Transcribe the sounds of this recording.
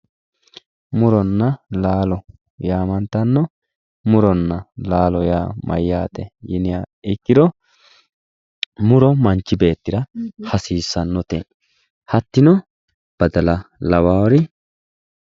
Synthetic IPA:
mʊɾɔnːɐlaːlɔ | jaːmɐnt̪ːɐnːɔ | mʊɾɔnːɐlaːlɔjaːmɐ̰jːaːt̪ɛ̰jɪnɪaɪkːɪd̪ɔ | mʊɾɔmɐnt͡ʃːɪbe̞ːt̪ːɪɾɐhɐsiːsːɐnːɔt̪ḛ | hɐt̪ːɪnɔ | b̥ɐd̪ɐlɐlɐwaːwɔɾɪ

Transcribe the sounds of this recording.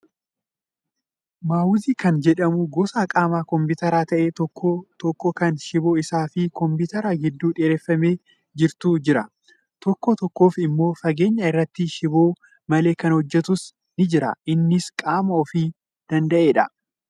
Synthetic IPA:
maːwʊziːkɐnd͡ʒɛᶑɐmʊɡɔːsaːkʼaːmaːkɔmpʊt̪ɐɾaːt̪ɐʔeːt̪ɔkːɔt̪ɔkːɔkɐnʃɪbo̞ːɪsaːfɪkɔmpʊt̪ɛɾaːɡɪd̪ːuːᶑeːɾeːfːɐme̞ː | d͡ʒɪɾt̪uːd͡ʒɪɾɐ | t̪ɔkːɔt̪ɔkːo̞ːfɪmːo̞ːfɐɡe̞ːɲːɐɪrːɐt̪ːɪʃɪbo̞ː | mɐle̞ːkɐnhɔd͡ʒːɛt̪ʊs | nɪd͡ʒɪɾɐ̰ʔɪnːɪskʼaːmɐɔfiː | d̪̥ɐnd̪ɐʔe̞ːᶑɐ

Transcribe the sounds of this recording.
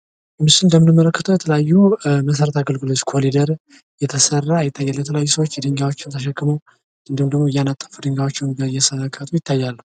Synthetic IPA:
ɨmːiʃɪnnd̪əmɨnɨmːələkːət̪ʰəwjɛt̪ʰələjajːuməsəɾət̪ʰaɡəlɡɨlot͡ʃkʰolid̪əɾ | jɛt̪ʰəsərːajɪt̪ʰːajːalːət̪ʰələjajːusəwot͡ʃːjɛd̪ɨŋɡawot͡ʃːɪwnt̪ʰəʃ̬ɛkːɨməw | ɨnd̪ɨmd̪əɡmojanat̪ʼːəfud̪ɨŋɡawo̞t͡ʃːɪwnbəjɛsəəkʰːət̪ʰʼujɪt̪ːajːalːəhu

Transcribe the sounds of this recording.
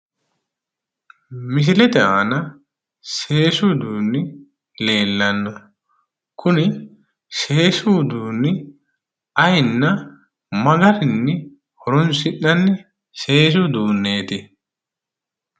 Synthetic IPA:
mɪs̬ɪlɛt̪ɛʔaːnɐ | se̞ːsud̪uːnːɪ | le̞ːlːɐnːɔ | kʰʊnɪ | se̞ːsuːd̪uːnːɪ | ɐjnːɐ | mɐɡɐɾɪnːɪ | hɔɾʊnsɪʔːɐnːɪ | se̞ːs̬ʊd̪uːnːe̞ːt̪ɪ

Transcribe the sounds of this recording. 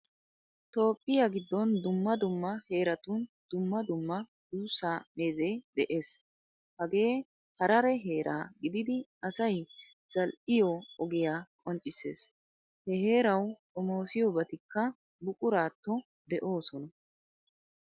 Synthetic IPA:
t̪o̞ːpʼːɪjaɡɪd̪ːɔnd̪ʊmːɐd̪ʊmːɐhe̞ːɾɐt̪ʊnd̪̥ʊmːɐd̪ʊmːɐ | d̪uːsːaːme̞ːzɛjd̪ɛʔe̞ːs | hɐɡe̞ː | hɐɾɐɾɛɦe̞ːɾʔa̰ːɡɪd̪ɪd̪ɪɐsɐj | z̥ɐlʔɪjɔɔɡɪjaːkʼɔnt͡ʃʼɪse̞̰ːs | hɛɦe̞ːɾɐwt̪ʼɔmo̞ːsɪjɔbɐt̪ɪkːɐ | bʊkʼʊɾaːt̪ːɔ | d̪ɛʔo̞ːsɔnɐ

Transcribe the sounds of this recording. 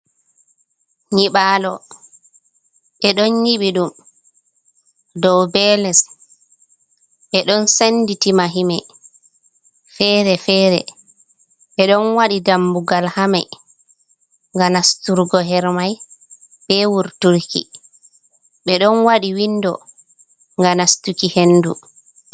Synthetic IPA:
ɲiɓalɔ | ɓɛɗɔnjiɓiɗum | dɔwbɛlɛs | ɓɛɗɔnsenditimaɦimɛ | fɛɾɛfɛːɾɛ̰ | ɓɛɗɔnwaɗidambuɡalhamaj | ŋɡanastuɾɡɔɦɛɾmaj | b̥ɛwuɾtuɾkḭ | ɓɛɗɔnwaɗiwinːdɔ̰ | ŋɡanastukihenːdu

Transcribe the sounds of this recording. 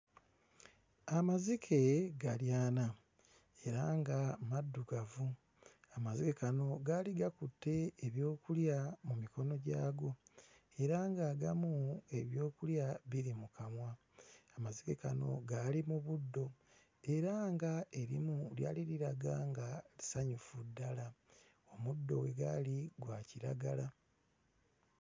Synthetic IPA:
amazikʰe̞ɡaljaːna | e̞ɾaŋɡamadːuɡavu | amazikekano̞ɡaliɡakutːe̞ːβjo̞ːkuljamumiko̞no̞ɟaːɡo̞ | e̞ɾaŋɡaːɡamue̞βjo̞ːkuljaβiɾimukamwa | amaziɡekano̞̰ɡaːlimuβudːo̞ | e̞ɾaŋɡae̞ɾḭmulja̰ːliɾiɾaɡaːŋɡaisaɲufudːala | o̞mudːo̞̰we̞ɡa̰liɡwaciɾa̰ɡala

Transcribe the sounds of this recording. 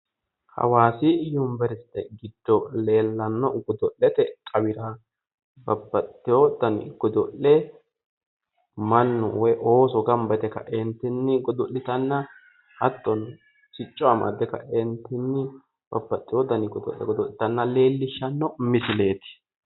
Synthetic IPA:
hɐ̰waːsɪjʊmbɛɾɪst̪ːɛ̰ɡɪd̪̥ːɔle̞ːlːɐnːɔɡɔd̪ɔʔːɛt̪ɛkʼɐwɪɾa | bɐbːɐt̪ʼːɪjoːd̪ɐn̰ɡɔd̪ɔʔɛ | mɐnːɔ̰wɔjʔoːsɔɡɐmbɐt̪ɛkɐ̰ʔɪnt̪ɪnːɪɡɔd̪ɔʔːɪt̪ɐnːɐ | hɐt̪ːɔn | sɪt͡ʃʼːɔɐma̰d̪ɛkɐ̰ʔɪnt̪ɪnːɪ | b̥ɐbːɐt̪ʼːɪjoːd̪ɐnɪɡɔd̪ɔ̰ʔːɛ̰ɡɔd̪ɔʔɪt̪ɐnːɐle̞ːlːɪʃːɐnːɔmɪsɪle̞ːt̪ɪ̥

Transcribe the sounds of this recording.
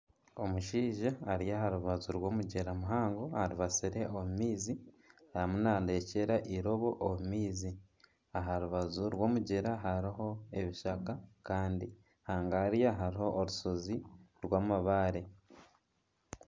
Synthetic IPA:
o̞muʃiːʒaːɾijaɦaɾuβazuɾwo̞ːmuɟeɾamuɦaːŋɡo̞haɾuβasiɾe̞ʔomumiːzi | ajamunaːndeːceɾaʔiɾo̞βo̞ʔomumiːzi | aɦaɾuβazuɾwo̞ːmuɟeɾaɦaɾiɦo̞e̞βiʃakakaːndi | haːŋɡaaɾijaɦaɾiho̞ʔːɾusoziɾwaːmaβaːɾe̞

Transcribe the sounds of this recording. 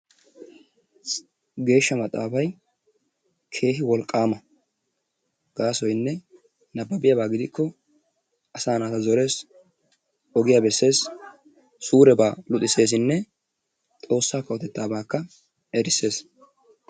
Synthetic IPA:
ɡe̞ːʃːɐmɐt̪ʼːa̰ːfɐj | kʰe̞ːɦɪwɔlkʼːaːmɐ | ɡ̥aːsɔjnːɛ | nɐbːɐbɪjabaːɡɪd̪ɪkʰːɔ | ɐsaːnaːt̪ɐzɔɾe̞ːs | ɔɡɪjaːbɛsːe̞ːs | suːɾɛbaːlʊt̪ʼːɪse̞ːs̬ɪnːɛ | t̪ʼo̞ːsːaːkɐwɔt̪ɛt̪ːaːbaːkːɐ | ɛɾɪsːe̞ːs

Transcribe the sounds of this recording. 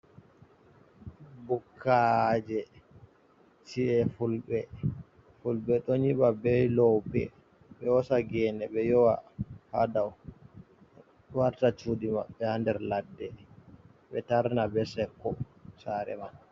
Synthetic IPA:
bukʰːad͡ʒɛ | tiɛfulɓɛ | fulɓɛɗɔɲiɓabɛjlɔwpɛ̰ | ɓɛɔsaɡɛːnɛɓɛjɔwahadaw | waɾtat͡ʃudima̰ɓːɛhandɛɾladːɛ | ɓɛtaɾnabɛsɛkːɔsaɾɛ̰maɓɛ

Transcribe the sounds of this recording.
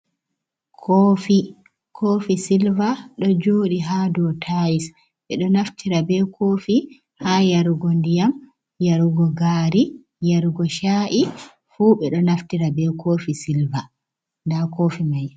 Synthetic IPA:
kʰoːfi | kʰoːfisilvaɗɔd͡ʒoːɗiɦadɔtʰajis | ɓɛɗɔnaftʰiɾabɛkʰoːfi | hajaɾuɡɔndijam | jaɾuɡɔɡaːɾi | jaɾuɡɔʃaʔi | fuːɓɛɗɔnaftiɾabɛkʰofisilva | ndakoːfimaj

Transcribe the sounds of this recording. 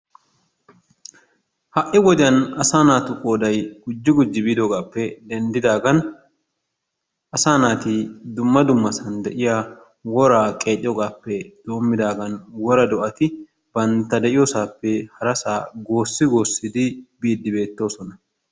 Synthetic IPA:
hɐʔɪɡɔd̪ɪjɐnɐsaːnaːt̪ʊkʼo̞ːd̪ɐjɡ̥ʊd͡ʒːɪɡʊd͡ʒːɪbiːd̪ɔɡaːpːɛd̪ɛnd̪ɪd̪aːɡɐn | ʔɐsaːnaːt̪ɪd̪ʊmːɐd̪ʊmːɐsɐnd̪ɛʔɪjaː | wɔɾaːkʼe̞ːt̪ʼːɪjɔɡaːpːɛd̪̥oːmːɪd̪aːɡɐnwɔɾɐd̪ɔʔɐt̪ɪ | b̥ɐnt̪ɐd̪ɛʔɪjoːsaːpːɛhɐɾɐsaːɡo̞ːsːɪɡo̞ːsːɪd̪ɪbiːd̪ːɪbe̞ːt̪ːo̞ːsɔnɐ

